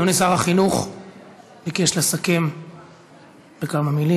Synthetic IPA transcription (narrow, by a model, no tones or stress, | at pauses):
onesaʁhaχinuχ | bikeʃlasakim | b̥ekamamili